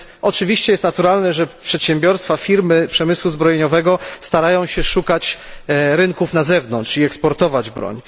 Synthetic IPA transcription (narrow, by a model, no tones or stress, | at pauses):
ʔɔt͡ʂɘvʲiɕt͡ɕɛjɛst̪nat̪uɾalnɛʐɛpʂɛt̪ɕɛmbʲjɔɾst̪fafʲiɾmɘpʂɛmɘswuzbɾɔjeɲɔvɛɡɔst̪aɾajɔ̃w̃ɕɛʂukat͡ɕ | ɾɘnkufnazɛvnɔntʂiɛkspɔɾt̪ɔvad͡ʑbɾɔ̰ɲ